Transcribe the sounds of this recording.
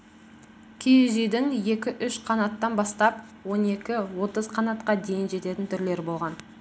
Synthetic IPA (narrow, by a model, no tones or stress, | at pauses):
kʲʰejeʒijd̪ɪŋje̞kʲɪʔʏʃqʰɑnɑt̪ːɑnbɑst̪ɑp | wo̞ne̞kʲɪwo̞t̪əzqʰɑnɑt̪qɑd̪e̞jɪnʒe̞t̪e̞t̪ɪnt̪ʰʏɾle̞ɾbo̞lˠʁɑn